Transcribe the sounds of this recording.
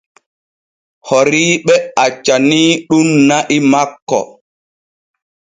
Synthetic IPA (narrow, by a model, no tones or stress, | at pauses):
hɔɾiːɓɛat͡ʃːaniːɗunːaʔimakːɔ̰